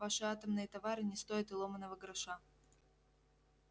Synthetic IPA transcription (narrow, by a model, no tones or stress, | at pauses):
vaʂɨat̪əmnɨjət̪ɐvaɾɨnʲɪst̪o̞ɪt̪ɨlˠomənːəvəɡɾɐʂa